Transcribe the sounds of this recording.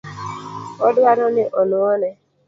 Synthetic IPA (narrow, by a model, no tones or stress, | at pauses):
ɔdʊaɾɔnɪʔɔnʊɔnɛ